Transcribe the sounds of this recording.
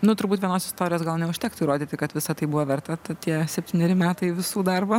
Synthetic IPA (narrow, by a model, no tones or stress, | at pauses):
nʊt̪ʊɾbuːt̪ʲʋʲiɛnoːsɪst̪oːɾʲɪjoːsɡɐlˠnʲɛʊʃʲt̪ʲæːkt̪uiɾoːd̪ʲiːt̪ʲɪkɐt̪ʋʲɪsɐt̪ɐɪbʊʋɐʋʲɛrt̪ɐt̪ɐt̪ʲiɛsʲɛpʲtʲiːnʲɛɾʲɪmʲæːt̪ɐɪʋʲɪsuːd̪ɐrbɐ